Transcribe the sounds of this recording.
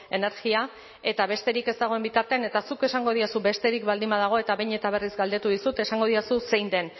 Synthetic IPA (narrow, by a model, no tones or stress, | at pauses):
e̞ne̞ɾɣia | e̞t̪aβe̞st̪e̞ɾike̞zt̪aɣo̞e̞mbit̪aɾt̪e̞ane̞t̪asuke̞saŋɡo̞ð̞iasube̞st̪e̞ɾikbald̪imaðaɣ̞o̞e̞t̪aβejɲe̞t̪aβ̞e̞rizɡald̪e̞t̪uðisut̪e̞saŋɡo̞ðiasuse̞jnd̪e̞n